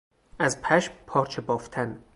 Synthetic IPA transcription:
æzpʰæʃmpʰɒːɾt͡ʃʰebɒːft̪ʰæn

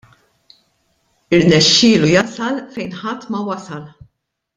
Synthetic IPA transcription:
ɪɾnɛʃːɪːlujɐsɐlfɛjnħɐt̪ːmɐwɐsɐl

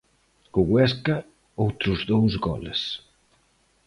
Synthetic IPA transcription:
kuɣwɛska | owt̪ɾuzðowzɣɔ̰lḛs

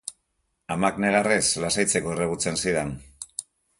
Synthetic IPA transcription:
amakne̞ɾareslasajt͡se̞ko̞ereɣut͡se̞nsiðen

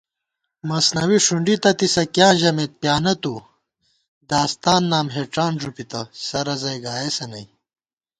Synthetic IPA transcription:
mɐsnɐwiʂuɳɖit̪ɐt̪isɐkjaːʑɐmet̪̚pjaːnɐt̪u | d̪aːst̪aːnːaːmɦeʈ͡ʂaːnʐupit̪ɐsɐɾɐzɐjɡaːesɐnɐ̰j

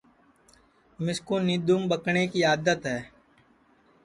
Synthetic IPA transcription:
mɪskuːniːd̪umbəkɳeːkiːaːd̪ət̪ɦɛː

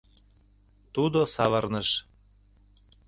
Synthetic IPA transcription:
t̪ud̪osɑvɤrnɤʃ

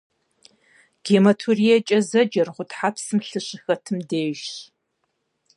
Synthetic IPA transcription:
ɡ̥eːmɐtʰurijɛt͡ʃʼɐzɐd͡ʒɐrʁʷʊtħapsɨmɬɨɕɪxɐtʰɨmdeːʒɕ

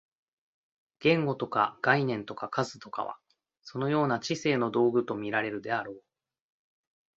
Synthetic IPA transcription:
ɡ̥ẽ̞ŋɡo̞t̪o̞ka̰ɡ̥ainẽ̞nt̪o̞kakazɨt̪o̞ka̰βa̰ | so̞no̞jo̞ːnat͡ɕise̞ːno̞d̪o̞ːɡɯ̟t̪o̞mʲiɾaɾe̞ɾɯ̟d̪e̞aɾo̞ː

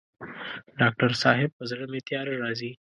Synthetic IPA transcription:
ɖak̚ʈəɾsaɦeb̚pəzɽəmet̪ijaɾɾad͡ziː

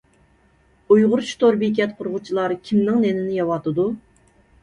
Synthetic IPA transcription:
ujʁʊɾʃu̥t̪oɾbikʲɛt̪̚qʰʊɾʁʊt͡ʃʰilˠɑɾkʲʰimnɪŋnɛnɪnɪjɑwɑt̪ɨd̪u

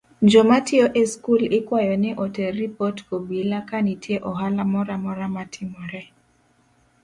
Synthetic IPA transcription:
d͡ʒɔmatʰɪoʔeskulɪkwajɔnɪʔɔteɾipɔtkobilakanitʰjeʔɔɦalamɔɾamɔɾamatʰɪmɔɾɛ

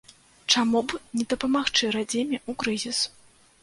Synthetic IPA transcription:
t͡ʂamubɨnʲɛd̪ɐpɐmaxt͡ʂɨɾad͡zʲejmʲiukɾɨzʲisu̥

